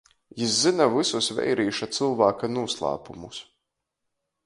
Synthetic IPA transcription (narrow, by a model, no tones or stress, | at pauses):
jiszinavisusvɛ̰jɾiːʃat̪sɨlˠvaːkanuɔslˠa̰ːpumus